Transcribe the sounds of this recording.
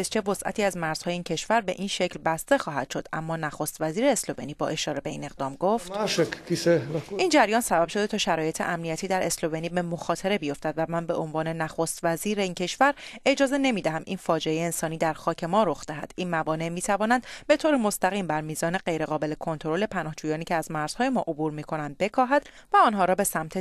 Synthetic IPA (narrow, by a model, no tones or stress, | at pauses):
ezt͡ʃʰevo̞sʔæ̰t̪ʰiːæzmæɾz̥hɒːjeincʰe̞ʃvæɾbe̞̰ʔinʃeclbæst̪e̞xɒːɦæ̰d̪̥ʃo̞d̪ʔæ̰mːɒːnæxost̪væziːɾeːslo̞veniːbɒ̰ːʔe̞ʃɒːɾe̞be̞ḭːne̞ɣd̪ɒːmɡoft̪iseʔind͡ʒæɾjɒːnsæbæb̥ʃod̪e̞t̪ʰɒːʃæɾɒːje̞t̪ʰḛʔæmnijæt̪ʰiːd̪æɾe̞slo̞veniːbe̞moxɒːt̪ʰeɾe̞bijo̞ft̪æd̪væmænbe̞ʔonvɒːne̞næxost̪væziːɾeiːncʰe̞ʃvæɾe̞d͡ʒɒːze̞ne̞miːd̪æɦæmʔḭnfɒːd͡ʒeejeːnsɒːniːd̪æɾxɒːcʰe̞mɒːɾo̞xd̪eɦæ̰d̪̥inmævɒːne̞ʔmiːt̪ʰævɒːnænd̪be̞t̪ʰoːɾemo̞st̪æɣiːmbæɾmiːzɒːne̞ɢe̞jɾe̞ɣɒːbe̞lekʰo̞nt̪ʰoɾo̞le̞pʰænɒːhd͡ʒuːjɒːniːcʰeæzmæɾz̥hɒːjemɒ̰ːʔobuːɾmiːkʰo̞nænd̪̚be̞kʰɒːɦæd̪̥ | væɒːnɦɒːɾɒːbe̞sæmt̪ʰe